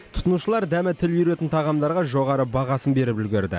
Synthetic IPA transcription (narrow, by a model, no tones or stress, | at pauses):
t̪ʰʊ̥t̪ənuʃəlˠɑɾd̪æmɪt̪ʰɪljʏɾe̞t̪ɪnt̪ʰɑʁɑmd̪ɑɾʁɑʒo̞ʁɑɾəbɑʁɑsənbe̞ɾɪpʏlɡʲɪɾd̪ɪ̰